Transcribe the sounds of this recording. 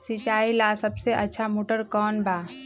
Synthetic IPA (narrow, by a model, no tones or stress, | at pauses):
sit͡ʃaːilasəbseʔətːʃʰamoːʈəɾkɔːnba